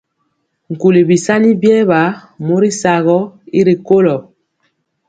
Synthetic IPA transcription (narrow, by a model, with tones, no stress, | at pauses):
ŋ̩˨ku˨li˨bi˨sa˦ni˦bjɛ˦βa˨˦ | mo˦ɾi˦sa˨ɣɔ˦i˦ɾi˨ko˦lɔ˨